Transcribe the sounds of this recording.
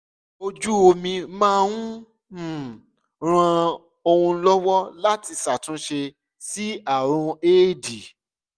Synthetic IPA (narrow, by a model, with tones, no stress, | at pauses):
o˧d͡ʒu˦o˧mĩ˧mãː˦˧wũ˦˨ | ɾ̃ã˧ | o˧hũ˧˦lɔ˦wɔ˦la˦ti˧sa˨tũ˨˦ʃe˧ | si˦a˦˨ɾ̃ũ˧eː˦˨di˨